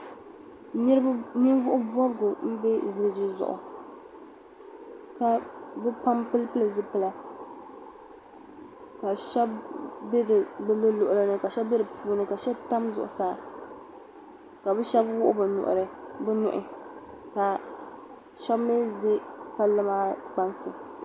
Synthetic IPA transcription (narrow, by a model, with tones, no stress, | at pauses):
nɨ˦ɾnɨ˦n˦vʊ˦ʔʊ˦bɔ˦bɡʊ˨˦bɛ˦zɨ˨ɡɨ˨d͡ʒi˨zʊ̰˨ʔʊ̰˨ | ka˨bɛ˦pa˦mpɨ˦lpɨ˦lɨ˨zɨ˦pɨ˦la˦ | ka˨ʃɛ˦bbɛ˦dɨ˨bɨ˦bɨ˦lʊ˨ʔʊ˨la˦nɨ˦ka˨ʃɛ˦bbɛ˦ɾɨ˨pʰuː˦nɨ˨ka˨ʃɛ˦bta˦mzʊ̰˨ʔʊ̰˨saː˦˨ | ka˨bɛ˦ʃɛ˦bwʊ˦ʔʊ̰˦bɨ˨nʊ̰˨ʔʊ̰˨ɾɨ˨bɛ˦nʊ̰˨ʔɪ˨ka˨ | ʃɛ˦bmɛ˦ze˦pa˦lɨ˦maː˦k͡pa˦nfɨ˨